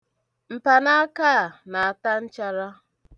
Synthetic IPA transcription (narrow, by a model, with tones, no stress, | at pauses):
m̩˨pa˨na˦a˦ka˦˨na˨a˨ta˦n̩˦t͡ʃa˦ɾa˦